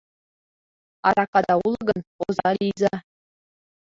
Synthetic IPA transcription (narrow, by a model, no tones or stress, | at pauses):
ɑ̰ɾɑkɑd̪ɑulˠɤ̆ɡɤ̆nozɑlijzɑ